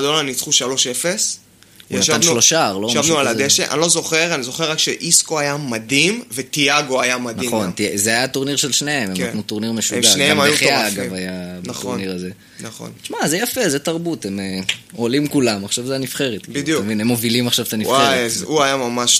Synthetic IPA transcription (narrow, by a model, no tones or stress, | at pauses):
d̪olanit͡sχuʃalo̞ʃefes | aaanʃloʃaʁloʃavnualad̪eʃeʔa̰nlozo̞χeʁanizo̞χeʁːakʃeʔiskoajamad̪imvet̪iaɡo̞ajamad̪naiχo̞ntizeajat̪oʁniʁʃelʃneemekanut̪oʁniʁmeʃuɡaaneemajeuχjaaɡavajabatoniʁaze | naχo̰nʃmazejafe̞zet̪aʁbut̪emeolimkulamaχʃavzajanifχe̞ʁet̪kbid̪jumevinemːo̞vilimaχʃavt̪anifeezuajamamaʃ